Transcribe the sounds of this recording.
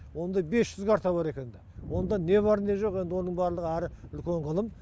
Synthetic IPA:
wo̞nd̪ɑbe̞sʒʏzɡʲeɑɾt̪ʰɑβɑɾe̞kʲe̞nd̪ɪwo̞nd̪ɑne̞βɑɾne̞ʒo̞qe̞nd̪ɪwo̞nəɴbɑɾlˠəʁəæɾɪʏlkʲe̞ɴʁəlˠəm

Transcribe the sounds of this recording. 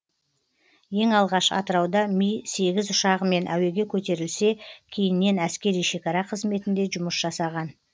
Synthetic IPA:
je̞ŋɑlˠʁɑʃɑ̰t̪əɾɑwd̪ɑmijse̞ɡʲɪzʊʃɑʁəme̞nʔæwe̞ɡʲe̞kʲʰɵt̪e̞ɾɪlse̞kʲʰe̞jɪnːe̞næskʲe̞ɾijʃe̞kɑɾɑqʰəzme̞t̪ɪnd̪e̞ʒʊməsʒ̥ɑsɑʁɑn

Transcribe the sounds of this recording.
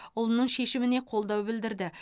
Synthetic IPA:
ʊlˠənəɴʃe̞ʃɪmɪne̞qʰo̞lˠd̪ɑwbɪld̪ɪɾd̪ɪ

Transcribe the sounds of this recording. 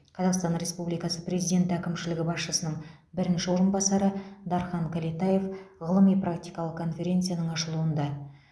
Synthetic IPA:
qʰɑzɑqst̪ɑnɾe̞spublijkɑsəpre̞zijd̪ʲe̞nt̪ækʲɪmʃɪlɪɡʲɪbɑsʃəsənəɴ | bɪɾɪnʃɪwoɾəmbɑsɑɾəd̪ɑɾχɑŋkʲʰælet̪ɑje̞fʁəlˠəmijprakt̪ʲijkɑlˠəq̚kʰo̞nfʲe̞ɾʲe̞nt̪sɨjanəɴɑʃəlˠuənd̪ɑ

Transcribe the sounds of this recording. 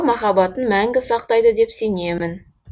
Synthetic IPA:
mɑχɑbɑt̪ənmæŋɡʲɪsɑq̚t̪ɑjd̪əd̪e̞pse̞ne̞mɪn

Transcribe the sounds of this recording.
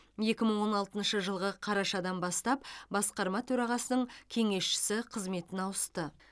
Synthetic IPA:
je̞kʲɪməɴwo̞nɑlˠt̪ənʃəʒəlˠʁəqʰɑɾɑʃɑd̪ɑnbɑst̪ɑp̚bɑsqɑɾmɑt̪ʰɵɾɑʁɑsənəɴkʲʰe̞ŋe̞sʃɪ̥sɪqʰəzme̞t̪ɪnɑwəst̪ə

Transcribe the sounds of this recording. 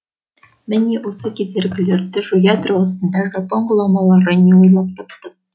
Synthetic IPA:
mɘnʲiʔusɤkizɘ̆ɾɡɘ̆lɘ̆ɾd̪ɘʒujad̪rŏlˠɤ̆sɤ̆nd̪ɑʒɑpoŋɡulˠɑmɑlˠɑɾɤniujlˠɑp̚t̪ɑpt̪ɤ

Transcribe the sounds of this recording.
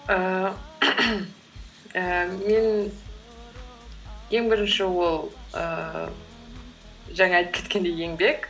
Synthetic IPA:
ə | əme̞n | je̞ŋbɪɾɪnʃɪwo̞lˠə̰ | ʒɑɴɑɑjt̪əpkʰʲet̪kʲe̞nd̪e̞je̞ŋbe̞k

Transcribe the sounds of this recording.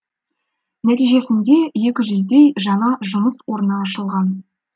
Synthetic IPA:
næt̪ijʒe̞sɪnd̪e̞je̞kʲɪʒʏzd̪ejʒɑɴɑʒʊməswo̞ɾənɑːʃəlˠʁɑn

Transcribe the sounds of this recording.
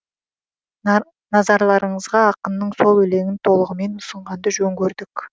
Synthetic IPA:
nɑzɑɾlˠɑɾəɴəzʁɑːqənːəɴso̞lˠɵle̞ŋɪnt̪ʰo̞lˠəʁəme̞nʊsəɴʁɑnd̪əʒɵŋɡʲɵɾd̪ɪk

